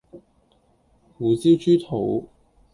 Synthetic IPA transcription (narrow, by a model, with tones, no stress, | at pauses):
fuː˨˥t͡siː˥wt͡ʃyː˥t̪ʰo˨˥w